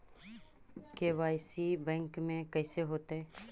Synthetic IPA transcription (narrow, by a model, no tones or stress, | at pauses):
keːʋaːɪsibɛ̃ːŋkmẽkɛːseɦoːt̪eɦɛː